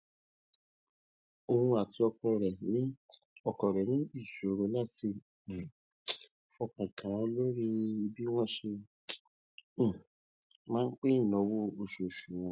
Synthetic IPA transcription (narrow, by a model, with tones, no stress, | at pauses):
o˧hũ˧a˨ti˧˦ɔ˧kɔ˧ɾɛ˨nĩ˨˦ | ɔ˨kɔ˨ɾɛ˨nĩ˨˦i˦˨ʃo˨ɾo˨˦la˦˨ti˧˨ | fɔ˧kã˨kʰã˨˧lo˦ɾi˦i˧bi˦w̃ɔ̃˦ʃe˧˦˨ | mãː˦n̩˦k͡pe˦ĩ˦˨nɔ̃˨˦wo˦o˨ʃo˨ʃu˨w̃ɔ̃˨˦